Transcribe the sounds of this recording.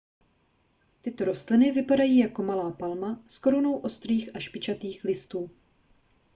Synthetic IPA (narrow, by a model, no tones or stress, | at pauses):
t̪ɪt̪o̞ɾo̞st̪lɪnɪvɪpadajiːjako̞malaːpalmasko̞ɾuno̞wʔo̞st̪riːxʔaʃpɪt͡ʃat̪iːxlɪst̪uː